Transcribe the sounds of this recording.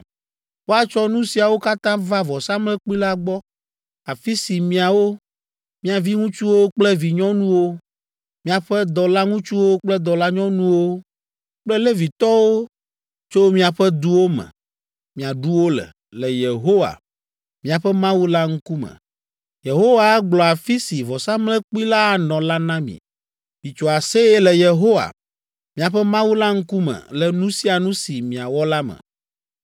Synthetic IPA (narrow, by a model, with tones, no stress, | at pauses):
ɸo˦a˨t͡ʃɔ˦nũ˦si˨a˨wo˦ka˦t̪ã˦va˦vɔ˨sa˦mlɛ˦k͡pi˦la˦ɡ͡bɔ˦ | a˨fi˦si˨mĩ˨a˨wo˦ | mĩ˦a˨vi˦ŋũ˦t͡ʃu˦wo˦k͡plɛ˦vi˨ɲɔ̃˦nũ˦wo˦ | mĩ˦a˨ɸɛ˦d̪ɔ˨la˦ŋũ˦t͡ʃu˦wo˦k͡plɛ˦d̪ɔ˨la˦ɲɔ̃˦nũ˦wo˦ | k͡plɛ˦le˦vi˨t̪ɔ˦wo˦ | t͡ʃo˦mĩ˦a˨ɸɛ˦d̪u˦wo˦mɛ̰̃˨ | mĩ˨a˨ɖu˦wo˦lɛ̰˨ | lɛ˨je˨ɦo˦wa̰˨ | mĩ˨a˨ɸɛ˦mã˦wu˦la˦ŋ̩˦ku˦mɛ̰̃˨ | je˨ɦo˦wa˦ɡ͡blɔ˨a˨fi˦si˨vɔ˨sa˦mlɛ̃˦k͡pu˦i˦la˦˨nɔ̃˨la˦nã˦mḭ̃˨ | mi˨t͡ʃɔ˨a˨se˦ɛ˦lɛ˨je˨ɦo˦wa̰˨ | mĩ˨a˨ɸɛ˦mã˦wu˦la˦ŋ̩˦ku˦mɛ̰˨lɛ˨nũ˦si˦a˨nũ˦si˨mĩ˨a˨wɔ˦la˦mɛ̰̃˨